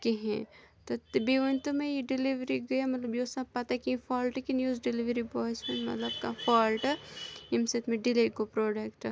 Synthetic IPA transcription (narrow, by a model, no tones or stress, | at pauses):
keɦɛ̰̃t̪ot̪biʋɐnt̪umẽjeɖɪliʋɾiɡɐjamɐt̪lɐbjesapɐt̪akĩfaːlʈkinjuːzɖɪliʋɾibɔːisunmɐ̰t̪lɐbkafaːlʈimset̪mẽɖɪleːkopɾoːɖɐkʈ